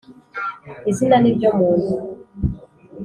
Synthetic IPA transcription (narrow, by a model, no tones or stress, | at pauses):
izinanibjɔmɔnu